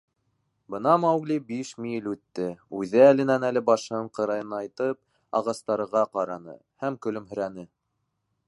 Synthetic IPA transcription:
bɤ̆nɑmɑwɡlʲibiʃmijɘlʉt̪ːɘʉðɘælɘ̆nænælɘbɑʃɤhɤɴqɤ̆ɾɑjɤ̆nɑɑjt̪ɤp̚ | ɑ̰ʁɑst̪ɑɾɤ̆ʁɑqɑɾɑnɤ̰ | hæmkɵ̆lɵmɦɵ̆ɾænɘ

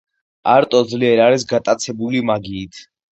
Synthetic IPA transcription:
aɾt̪ʼɔd̪zliɛɾaɾisɡat̪ʼat̪sʰɛbulimaɡiːt̪ʰ

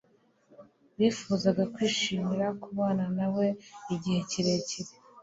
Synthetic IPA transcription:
βifuːzaɡakwiːʃiːmiɾakuβaːnanawe̞iɟihe̞ciɾe̞ːciɾe

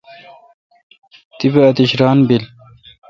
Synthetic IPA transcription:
t̪ibeɐt̪iɕɾɑːnbil

